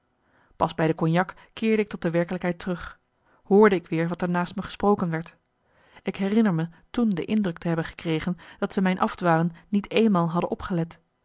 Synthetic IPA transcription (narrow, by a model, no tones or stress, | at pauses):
pɑzbɛjdəkɔnjɑk | kɪːɹdəɪk̚tɔt̚dəʋɛɹkələkɦɛjtərɵχ | hʊːɹdəɪkʋɪːɹʋɑtəɹnaːstməχə̥sprowkənʋɛɹt | ɪkɦɛrɪnəɹmətundə̰ʔɪndrɵk̚təɦɛbənχə̥krejχənd̥ɑtsəmɛjnʔɑfdʋaːlənːitʰejnmaːlˠɦɑdənɔpχəlɛt